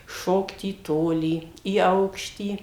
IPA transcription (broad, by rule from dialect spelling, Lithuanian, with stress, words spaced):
ˈʃoːkt iː ˈtoːlʲiː iː ˈɐʊkʃʲtʲiː